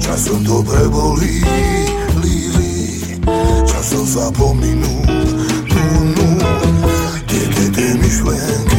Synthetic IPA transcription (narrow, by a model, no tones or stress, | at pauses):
t͡ʃasɔmd̪ɔbɾɛbɔli | lili | t͡ʃasɔmsapɔminult̪unul | dɛkɛt̪ɛmiʃlɛŋk